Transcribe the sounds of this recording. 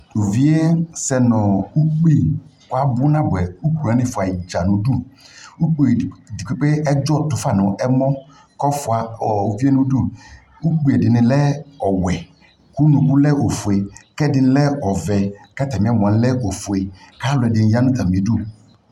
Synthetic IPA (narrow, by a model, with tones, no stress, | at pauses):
u˨vi˦e˦sɛ˨nɔ̃˨u˦k͡pi˦˨ka˦bʊ˦nã˦bɛ˨u˦k͡pu˨a˨˦nɪ̃˦fʊ˨a˨i˨d͡ʒa˨nũ˨du˦˨u˦k͡pu˦e˨di˨k͡pe˦k͡pe˦ɛ˦d͡ʒɔ˦tʊ˨fa˦˨nɔ̃˨ʔɛ˦mɔ̃˦ | kɔ˦fʊ˨a˨ɔ˨u˨vi˦e˦nũ˦du˦˨ | u˦k͡pi˨˦e˨dɪ˨nɪ̃˨lɛ˦ɔ˨wɛ˨ | ku˦nũ˨ku˦lɛ˦o˨fu˨e˨kɛ˦dɪ˨nɪ̃˦lɛ˦ɔ˨vɛ˨kɛ˦tɛ˨mɪ̃˨˦a˦m˨ɔ̃˨˦lɛ˦ʔo˨fu˨e˨ka˨˦lʊ˨ɛ˨dɪ˨n˦ja˦nʊ̃˦ta˨mĩ˨˦du˦˨